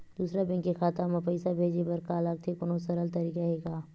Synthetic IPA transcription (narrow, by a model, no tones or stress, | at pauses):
d̪̥uːsɾabɛ̃ŋkexaːt̪amãpɐɪsabʱeːd͡ʒebɐɾkaːlaːɡ̚t̪ʰekʊnõsɐɾəlt̪ɐɾiːkaɦeːkaː